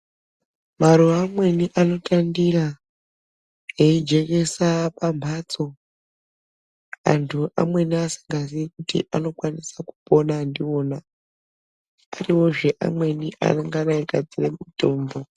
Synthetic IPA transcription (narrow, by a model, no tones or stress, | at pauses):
maɾuamwe̞niʔano̞tandira | jeid͡ʒe̞ke̞sapambʰʱaːt͡so̞ | a̰ntʰuʔa̰mwe̞niasi̥ŋɡasiikutḭʔano̞kwanisaku̥po̞naːndioːna | riwo̞ʐe̞ʔa̰mwe̞niʔa̰naŋɡanaiɡʱad͡ziremuto̞ːmbo̞